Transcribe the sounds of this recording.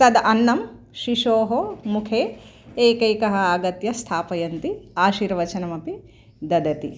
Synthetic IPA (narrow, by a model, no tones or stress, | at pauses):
sɐd̪ɐnːɐm | ʃiʃoːɦomukʰeː | eːkɐjkɐɦɐ̆aːɡɐt̪jɐst̪ʰaːpɐjɐnt̪iaːʃiːɾʋɐt͡ʃɐnɐmɐpi | d̪ɐd̪ɐt̪ḭ